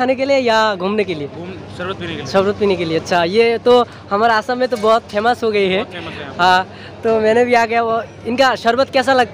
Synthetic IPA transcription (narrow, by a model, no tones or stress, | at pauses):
aːnekeliejaɡʱũːmnekelie | ʃɐɾɾət̪̚piːnekelieɐtːʃʰajet̪o | hɐmaːɾeaːsamẽt̪obɔːʊt̪̚pʰɛːmasɦoɡɐiɦɛɦã | t̪omɛ̃ːnebʱiaːɡɐjao | ɪnkaʃɐɾwət̪kɛːs̬alɐɡ̚t̪